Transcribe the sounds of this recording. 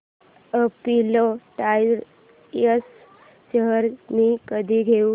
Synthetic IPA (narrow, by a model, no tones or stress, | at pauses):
əpiloʈajɾ | əs | ʃəɦəɾmikəd̪ʱiɡʱeu